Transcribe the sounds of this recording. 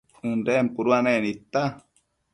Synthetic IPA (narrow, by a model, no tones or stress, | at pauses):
undɛːmpuɾuanenit̪ːa